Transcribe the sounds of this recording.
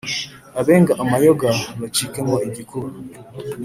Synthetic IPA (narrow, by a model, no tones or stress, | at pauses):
aβeːŋɡaʔamajoɡamat͡ʃikemoeɟikuɾu